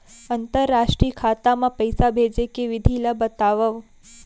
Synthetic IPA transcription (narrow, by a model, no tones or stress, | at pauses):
ənt̪əɾːaʃʈɾiəkʰat̪amãpəjsabʱed͡ʒekeʋɪd̪ʱilabət̪aʋəʋ